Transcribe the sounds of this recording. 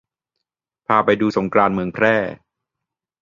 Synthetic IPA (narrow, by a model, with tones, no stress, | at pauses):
pʰaː˧pa˧jduː˧so˩˦ŋkɾaː˧nmɯ˧əŋpʰɾɛː˥˩